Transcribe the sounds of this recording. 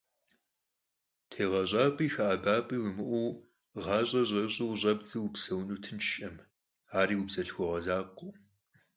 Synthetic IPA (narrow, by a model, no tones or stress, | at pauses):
tʰeːʁɐɕʼɑːpʼiːxaʔabaːpʼiwʊmɨʔʷuː | ʁɑːɕʼɐʑʼɐɕʼɪwɕʼɐb̚t͡sʼiwʊpsɐwnuːtʰɨnt͡ʃʃʼɐm | aːɾiːwupsɐɬxʷɔʁɐzaːqʷʊː